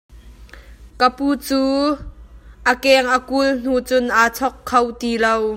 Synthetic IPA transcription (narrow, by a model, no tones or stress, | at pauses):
kəpuːt͡suː | ʔəkɛːŋʔəkuln̥uːt͡sʊnʔaːt͡sʰɔkʰːɐwt̪iːlow